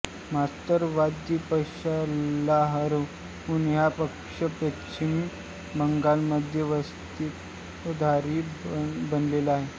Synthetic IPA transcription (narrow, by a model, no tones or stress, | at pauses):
mast̪əɾʋadd͡ʑipəɕalaɦəɾə | unjapəkʂəpɾəkɕin | məŋɡalməd̪ʱjeʋəst̪it | d̪ʱaɾiːbənlelaɦe